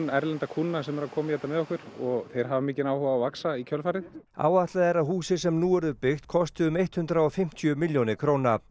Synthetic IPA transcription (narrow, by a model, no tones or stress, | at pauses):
nɛɾlɛnt̪akʰuːnasɛmɛɾakʰɔːmajɛt̪amɛðɔhkʏɾɔɣθejɾ̥ɦavamiːcɪnaːwhaawvaksaicʰœlfaɾɪða̰ːwaht̪laðɛɾaðɦuːsɪsɛmnuːɛɾʏpɪxt̪kʰɔst̪ɪʏmejht̪hʏnt̪ɾaɔfɪm̥t̪ʰjʏmɪljownɪkʰɾoːwna